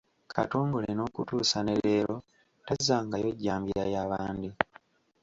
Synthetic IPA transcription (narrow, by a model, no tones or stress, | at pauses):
kʰa̰to̞ːŋɡolenoːkutuːsaneleːlo̞ | tazaːŋɡajo̞ɟːaːmbjajaβaːndi